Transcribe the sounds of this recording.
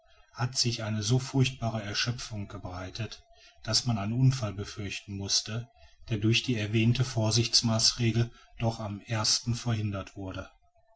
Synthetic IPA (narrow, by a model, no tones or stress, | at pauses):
hatz̥ɪçʔaɪnəzoːfʊɐçt̚b̥aːʁəɛɐʃœp͡fʊŋɡ̥əbʁaɪtʰət | d̥asmanaɪnʔʊnfalbəfʏɐçtn̩mʊstəd̥eːɐdʊɐçd̥iːɛɐvɛːntəfoːɐzɪçt͡smaːsʁeːɡl̩ | d̥ɔχamʔeːɐstn̩fɛɐhɪndɐtv̥ʊɐdə